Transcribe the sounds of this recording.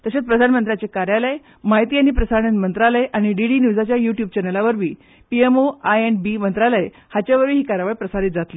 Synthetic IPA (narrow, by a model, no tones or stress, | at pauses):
t̪əɕet͡spɾəd̪ʱanmənt̪ɾjat͡ɕekaɾjaləj | maɦit̪iːañipɾəsaɾɳit̪mənt̪ɾaləjʔaɽ̃iɖiɽinjud͡zat͡ɕjajuʈjuːbt͡ɕɛnelaʋəɾʋiː | piemoajeɳbimənt̪ɾaləj | hat͡ɕjaʋəɾʋiːɦiːkaɾjaʋajpɾəsaɾit̪̚d͡zat̪liː